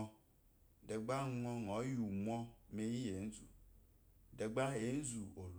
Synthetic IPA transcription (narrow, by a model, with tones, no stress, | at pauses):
ɔ˦ | ɖɛ˨ɡ͡ba˦ŋ˦ŋɔ̃˦ŋ˨ɔ̃˨˦ju˨mɔ̃˦me˦ji˦je˨ŋ̩˦zu˨ | ɖɛ˨ɡ͡ba˦je˨˦n̩˦zu˨o˨l